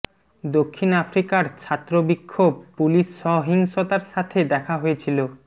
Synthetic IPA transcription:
d̪okʰːinafɾikaɾt͡ɕʰat̪ːɾobikʰːob̚puliʃːɔɦiŋʃot̪aɾʃat̪ʰed̪ɛkʰaɦojet͡ɕʰilo

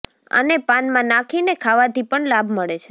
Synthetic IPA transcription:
ə̰nepanmãnakʰinekʰaʋat̪ipəɳlabʱməɭet͡ʃʰe

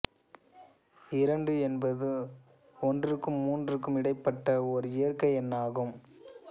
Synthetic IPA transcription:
ɪɾɐɳɖɯɛnbɐðɯ | ɔndrɯkːɯmːuːndrɯkːɯmɪɽɐɪpːɐʈːɐɔɾɯɪjɐrkɐɪɛnːaːɣɯm

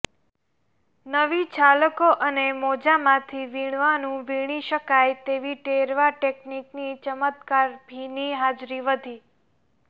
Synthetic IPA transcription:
nəʋit͡ʃʰaləkoʔənemod͡ʒamãt̪ʰiʋiɳ̃ʋanũʋiɽ̃iʃəkajt̪eʋiʈeɾʋaʈekniknit͡ʃəmət̪kaɾbʱiniɦad͡ʒɾiʋəd̪ʱi

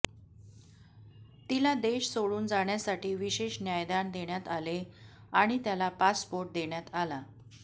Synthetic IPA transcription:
t̪ilad̪eɕsoɭuːnd͡zaɳjasaʈiːʋiɕeɕnjajd̪and̪eɳjat̪ale | aɽ̃it̪jalapaspoɾʈ̚d̪eɳjat̪ala

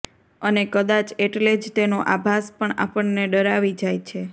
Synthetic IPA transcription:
ənekəd̪at͡ʃeʈled͡ʒt̪enoʔabʱaspəɳa̰pəɳneɖəɾaʋid͡ʒajt͡ʃʰe

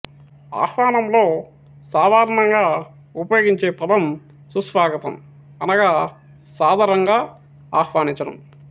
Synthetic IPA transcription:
a̰ːhʋaːnɐmlo̞ː | saːd̪ʱaːɾɐɳɐŋɡaː | upɐjo̞ːɡiɲt͡ʃe̞ːpɐd̪ɐm | susʋaːɡɐt̪ɐ̰m | ɐnɐɡaː | saːd̪ʱaːɾɐŋɡaː | aːxʋaːniɲt͡ʃɐɽɐ̰m

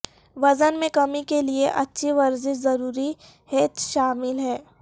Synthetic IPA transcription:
ʋɐzənmẽkɐmikelieʔɐtːʃʰiʋɐɾzɪʃzɐɾuːɾi | heːt̪ʃaːmɪlɦɛː

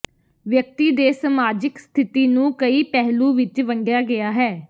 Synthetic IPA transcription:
ʋjək̚t̪iːd̪eːsəmaːd͡ʒɪkst̪ʰɪt̪iːnũːkəiːpɛɦlũːʋɪt͡ʃʋəŋɡjaːɡɪaːɦɛː

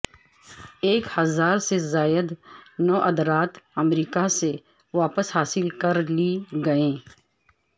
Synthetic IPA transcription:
eːkhɐzaːɾsezaːjəd̪nɔːʔɐd̪ɾaːt̪ɐmɾiːkase | ʋaːpəsɦaːsɪlkɐɾliɡɐẽː

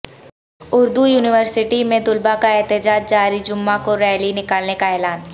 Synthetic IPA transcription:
ʊɾd̪ujuːnɪʋəɾsɪʈimẽd̪ʊlbakaɛɦt̪ɪd͡ʒaːd͡ʒ̚d͡ʒaːɾid͡ʒʊmːakoɾɛːɦlinɪkaːlnekaɛːlaːn

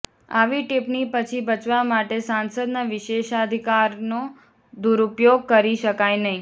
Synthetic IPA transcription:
a̰ʋiʈipnipət͡ʃʰibət͡ʃʋamaʈesansəd̪naʋɪʃeʃad̪ʱikaɾno | d̪uɾupjoɡ̚kəɾiʃəkajnəɦĩ

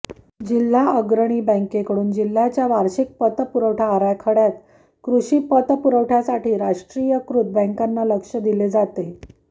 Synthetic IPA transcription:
d͡ʑilːaəɡɾəɽ̃iːbə̃ŋkekəɽuːnd͡ʑil̤ːat͡ɕjaʋaɾɕik̚pət̪əpuɾəwʈʰaəɾajkʰəɽjat̪ | kɾuɕiːpət̪əpuɾəʋʈʰasaʈʰiːɾaʂʈɾijəkɾud̪̚bə̃ŋkanːaləkʂəd̪iled͡zat̪e

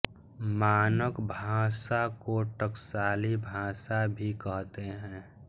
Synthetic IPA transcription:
maːnəkbʱaːsakoʈəksaːlibʱaːsabʱikəɦt̪eɦɛ̃ː

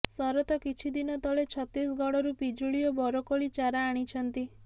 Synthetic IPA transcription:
sɔɾɔt̪ɔkit͡ʃʰid̪inɔt̪ɔɭet͡ʃʰɔt̪isɡɔɽɔɾupid͡ʒuɭijɔbɔɾɔkoɭit͡ʃaɾaːɽ̃it͡ʃʰɔnt̪i

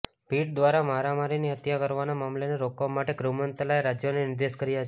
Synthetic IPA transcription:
piʈ̚d̪ʋaɾamaɾamaɾiniət̪jakəɾʋanamamleneɾokʋamaʈeɡɾumənt̪əlaeɾad͡ʒjonenɪɾd̪eʃkəɾijat͡ʃʰ

